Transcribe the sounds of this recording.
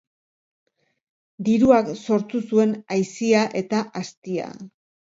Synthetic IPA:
d̪iɾuakso̞ɾt̪usue̞najsiaʔe̞t̪aʔast̪ia̰

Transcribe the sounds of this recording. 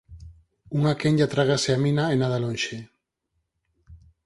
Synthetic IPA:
uŋakeɲʎat̪ɾaɣaseamĩnaenaðalonʃe

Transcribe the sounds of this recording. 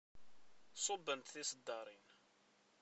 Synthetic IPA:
sˤobːənt̪θisəd̪ːɑɾˤin

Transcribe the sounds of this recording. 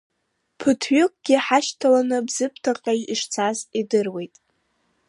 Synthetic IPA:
pʰɨtʰɥʏkʼɡ̥ʲɪħaʃtʰalanɨbz̥ɨpʰtʰaqʼajiʂt͡sʰazidɨrwe̞jtʼ

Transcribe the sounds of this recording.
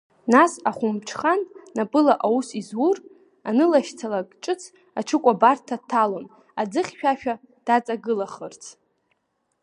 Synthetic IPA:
nasaχʷʊmt͡ʃʰχanːapʼɨlaʔawusizwur | anɨlaʃt͡sʰalakʼt͡ʃʼɨt͡sʰ | at͡ʃʰɨkʷʼabartʰːatʰːalon | ad͡zɨχʲʃᶣaʃᶣa | d̥at͡sʼaɡɨlaχərt͡sʰ

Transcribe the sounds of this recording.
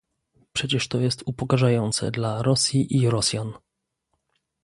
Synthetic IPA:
pʂɛt͡ɕɛʂt̪ɔjɛst̪upɔkaʐajɔnt̪sɛ̰d̪laɾɔsʲjiʔiɾɔsʲjan

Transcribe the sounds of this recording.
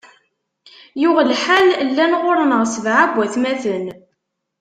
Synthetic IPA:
jʊʁlħallːænʁʊɾˤnəʁsəvʕaɡʷːæθmæθən

